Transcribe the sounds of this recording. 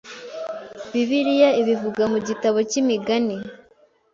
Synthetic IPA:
βiβiɾijaiβivuɡamuɟitaβo̞cimiɡani

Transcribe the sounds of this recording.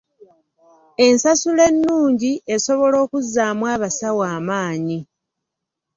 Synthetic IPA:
e̞nsasule̞nːuːɲɟie̞so̞βo̞lo̞ːkuzːaːmwaːβasawaːmaːɲi

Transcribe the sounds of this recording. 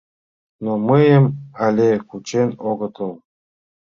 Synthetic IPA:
noməjəmalʲekut͡ɕenoɡɤ̆t̪ɤ̆lˠ

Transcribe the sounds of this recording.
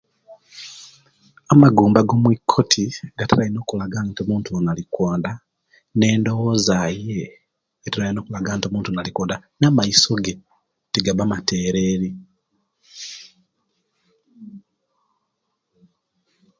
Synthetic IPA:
amaɡuːmbaɡo̞mwikʰːotʰiɡataɾaino̞ːkulaɡanto̞muːntuonalikwaːnda | ne̞ːndo̞wozajeː | teɾajino̞ːkulaɡanto̞muːntuonalikwaːndanamaiso̞ɡe | teɡaβamate̞ɾe̞ːɾi

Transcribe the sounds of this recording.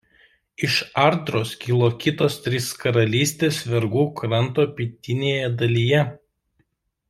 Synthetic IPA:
ɪʃɐɾd̪ɾoːskʲiːlˠoːkʲɪt̪oːst̪ʲɾʲɪskɐɾɐlʲiːsʲt̪ʲeːsʋʲɛɾɡuːkɾɐnt̪oːpʲiːt̪ʲɪnʲeːjɛd̪ɐlʲijɛ

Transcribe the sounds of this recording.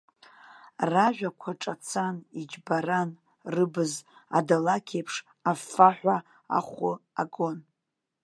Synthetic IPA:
raʒᶣakʷʰaʈ͡ʂʼat͡sʰanid͡ʒbaran | rɨbɨza̰dalakʲʰejpʰʂ | afaħʷa | a̰χʷʊaɡon

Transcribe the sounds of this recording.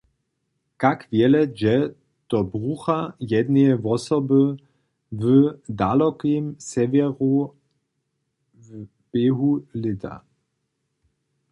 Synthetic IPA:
kakvjɛlɛd͡ʒɛ | t̪ɔbʁuːxajɛd̪neɛvɔsɔbə | vəd̪alɔkimsɛvɛʁu | b̥eːɦulɪt̪a̰

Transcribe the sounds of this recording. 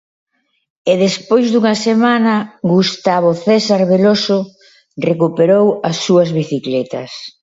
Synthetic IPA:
eðespojzðuŋɐsemanɐɡust̪aβoθɛsaɾβeloso | rekupeɾowɐsːuɐzβiθiklɛt̪ɐ̰s

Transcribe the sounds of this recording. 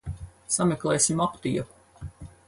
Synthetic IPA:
sameklˠɛːjsʲimapt̪ijɐ

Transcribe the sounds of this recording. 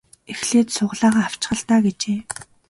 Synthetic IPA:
exɮeːt̪sʊʁɮaːʁaːaw̥t͡ɕ̆ɢə̆ɮt̪aːɡet͡ɕeː

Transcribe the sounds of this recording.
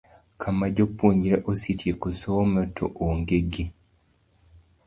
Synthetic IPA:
kʰamaɟopːoɲiɾeʔositʰjekusomatʰo̰ʔoŋɡeɡi

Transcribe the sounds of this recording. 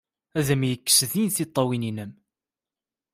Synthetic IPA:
æðəmjəkːsðinθit̪ˤːɑwininəm

